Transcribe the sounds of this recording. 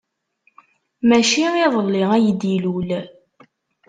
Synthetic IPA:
mæʃiiðˤlːiʁæjəd̪ilul

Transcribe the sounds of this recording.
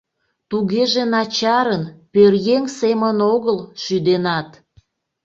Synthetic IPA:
t̪uɣeʒenɑt͡ɕɑɾənpørjeŋsemənoɣəlʃyd̪enɑt̪

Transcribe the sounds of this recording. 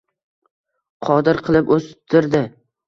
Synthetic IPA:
qʰɒd̪ɪɾqʰɨlˠɪpɵst̪ʰɪɾd̪ɪ

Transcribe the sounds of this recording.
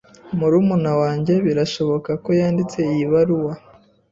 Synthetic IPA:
muɾumunawaːɲɟe̞βiɾaʃo̞βo̞kako̞jaːndit͡se̞ijiβaɾuwa

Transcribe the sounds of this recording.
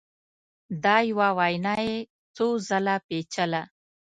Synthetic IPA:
d̪ɑjwawajnɑje | t͡sozalapet͡ʃəla

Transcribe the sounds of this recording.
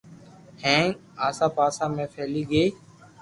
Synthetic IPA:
hẽːaːsãːpaːsãːmẽːfʰeːliːɡeː

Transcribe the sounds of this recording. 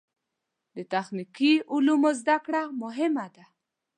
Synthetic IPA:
d̪ət̪axnikiulumozd̪akɽamʊɦɪmad̪a

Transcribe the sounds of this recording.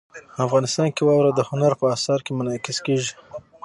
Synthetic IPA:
afɣɑnɪst̪ɑnkewɑwɾad̪əhʊnaɾpəasɑɾkemʊnɑkɪskeʒi

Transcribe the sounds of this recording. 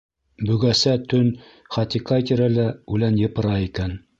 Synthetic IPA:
bɵ̆ɡæsæt̪ɵn | χɑt̪ʲikɑjt̪ɘ̆ɾælæʉlænjɤ̆pɤ̆ɾɑikæn

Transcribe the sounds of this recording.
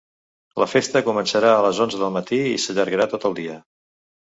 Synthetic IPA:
ləfest̪əkumənsəɾaələzonzəðəlˠmət̪iḭsəʎəɾɣəɾat̪ot̪əlˠd̪iə

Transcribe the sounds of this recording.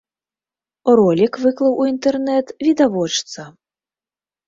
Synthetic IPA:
rɔlʲikvɨklˠɐwʔuint̪ɛrnɛt̪vʲid̪avɔt͡ʂt̪sɐ

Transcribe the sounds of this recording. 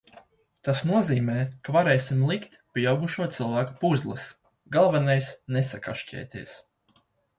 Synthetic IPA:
t̪asnuɔziːmɛːkavaɾɛːsʲimlˠikt̪pʲiawɡuʃuɔt̪sɨlˠvæːkupuzlˠɨ̰s | ɡalˠvɛnajsnesakaʃcɛ̰ːt̪ʲiɛs

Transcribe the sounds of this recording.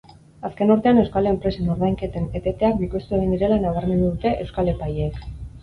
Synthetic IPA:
aske̞noɾt̪eanewskaleempɾe̞se̞no̞ɾðajŋke̞t̪e̞ne̞t̪e̞t̪eak̚bikost̪ueɣ̞ind̪iɾe̞lanaβ̞aɾme̞nd̪uðut̪e̞ʔewskale̞pajeːk

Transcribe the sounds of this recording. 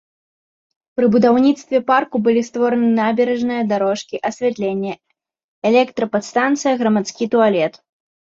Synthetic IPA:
pɾɨbud̪awnʲit̪st̪vʲɛparkubɨlʲist̪vɔɾɐnɨnabʲɛɾɛʐnɨjɐd̪aɾɔʂkʲiʔɐsʲvʲɛt̪lʲenʲːɛ | ɛlʲɛkt̪ɾɐpat̪st̪ant̪sɨjɐɣɾɐmat̪skʲit̪ualʲɛt̪

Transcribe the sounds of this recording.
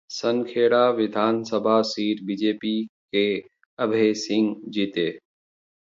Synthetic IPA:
sənkʰeːɽaʋɪd̪ʱaːnsəbʱasiːɾbid͡ʒeːpike | əbʱeːsɪ̃ŋɡd͡ʒit̪eː

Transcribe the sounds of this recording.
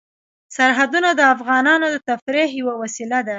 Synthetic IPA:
saɾɦad̪unad̪əafɣɑnɑnod̪ət̪afɾeɦjwəwasilad̪a

